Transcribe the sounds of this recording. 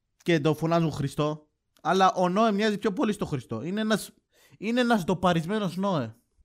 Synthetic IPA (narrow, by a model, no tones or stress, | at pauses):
ced̪o̞fo̞nɐzuŋxɾist̪o̞ | ɐlɐʔo̞no̞emɲɐzipço̞po̞list̪o̞xɾist̪o̞ineenɐs | ineenɐsd̪o̞pɐɾizme̞no̞zno̞e